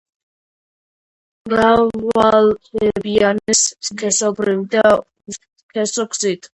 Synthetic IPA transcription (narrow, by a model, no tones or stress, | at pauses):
ɾavalɛbianiskʰɛsɔbɾivid̪a | kʰɛsɔɡz̥it̪ʰ